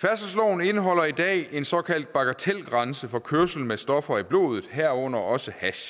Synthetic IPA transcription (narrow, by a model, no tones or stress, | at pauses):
fæɐsəsloːne̝nəɦɒ̽l̰ɐid̥ɛ̰ːe̝nsɒ̽kʰæl̰d̥̚b̥ɑ̈ɡ̥æt͡sʰel̰ɡ̥ʁɑ̈nsəfɒ̽kʰøɐsl̩mesd̥ɒ̽fɐib̥lo̝̰ːð̞ˠð̩ˠɦæɐ̰ɔ̽n̰ɐɒ̽səhæɕ